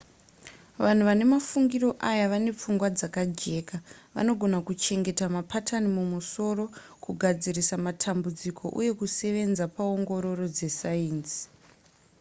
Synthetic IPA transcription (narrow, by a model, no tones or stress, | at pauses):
ʋan̤uʋane̞mafuŋɡiro̞ʔajaʋane̞p͡fuŋɡwad͡zakad͡ʒe̞ːkaʋa̰no̞ɡʱo̞nakut͡ʃe̞ŋɡe̞tamapʰatʰanimumuso̞ɾo̞ | kuɡʱad͡zirisamatʰambud͡zikʰo̞̰ʔṵje̞kuse̞ʋe̞nd͡zapao̞ŋɡo̞ɾo̞ro̞d͡ze̞saiːnsi̥